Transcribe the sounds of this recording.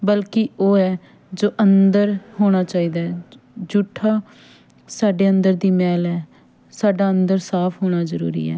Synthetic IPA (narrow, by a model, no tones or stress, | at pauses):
bəlkɪoːɛː | d͡ʒoːʔənd̪əɾhoːɽ̃aːt͡ʃaːiːd̪aːɛ | d͡ʒʊʈʰːaː | saːɖeːənd̪əɾd̪iːmɛːlɛː | saːɖaːənd̪əɾsaːpʰɦoːɽ̃aːzəɾṵːɾḭːɛ̰ː